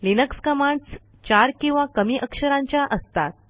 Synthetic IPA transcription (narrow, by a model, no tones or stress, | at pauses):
linəkskəmaɳɖs | t͡ɕaɾkĩw̃ʋakəmiːʔəkʂəɾãɲt͡ɕjaʔəst̪at̪̚